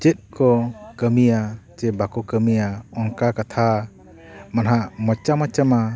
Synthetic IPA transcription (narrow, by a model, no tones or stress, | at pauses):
t͡ʃɛt̪̚ˀkʰɔkəmijat͡ʃɛbakɔkəmijaɔŋkakat̪ʰa | manɦamɔt͡ʃamat͡ʃama